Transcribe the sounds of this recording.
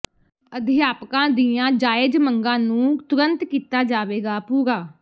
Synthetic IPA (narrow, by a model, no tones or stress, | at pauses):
əd̪ʱjaːpkãːd̪iãːd͡ʒaːɪd͡ʒməŋɡãːnũːt̪ʊɾənt̪kiːt̪aːd͡ʒaːʋeːɡaːpuːɡaː